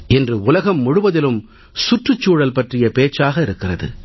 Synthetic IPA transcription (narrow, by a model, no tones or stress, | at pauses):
ɛndrɯʊlɐɣɐmːʊɻʊʋɐðɪlɯm | sʊʈrɯt͡ʃːuːɽɐlpɐʈrɪjɐpeːt͡ʃːaːɣɐɪɾɯkːɪrɐðɯ̰